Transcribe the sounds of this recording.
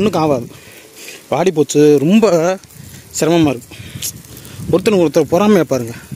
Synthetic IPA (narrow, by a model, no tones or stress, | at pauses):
nːɯkaːʋaːðɯ | paːɽip̬oːt͡ʃːɯɾɔmbɐ | sɪɾɐmɐmaːɪɾɯkːɯ̥̃ | ɔɾɯt̪ːɐnɐkɔɾɐt̪ːɐlɐpɔːɾaːmɐeːpːaːɾɯŋɡɐ